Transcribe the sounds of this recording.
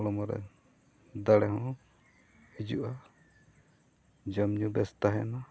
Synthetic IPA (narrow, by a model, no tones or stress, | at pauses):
ɽɔmɔɾɛ̰ | d̪aɽɛɦɔ̃ | id͡ʒṵʔa | d͡ʒəmɲubɛst̪aɦɛna